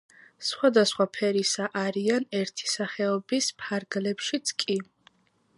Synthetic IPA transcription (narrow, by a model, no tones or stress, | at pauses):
sχwad̪asχwapʰɛɾisaʔaɾianɛɾt̪ʰi̥saχɛɔbispʰaɾɡlɛpʃit̪sʼkʼi